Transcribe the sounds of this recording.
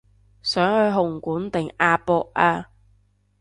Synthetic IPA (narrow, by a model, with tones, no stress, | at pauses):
sœː˨˥ŋhɵ˨˧ɥɦʊ˨˩ŋkuː˨˥nt̪ɪ˨ŋaː˧pɔː˧ʔ̚ʔaː˧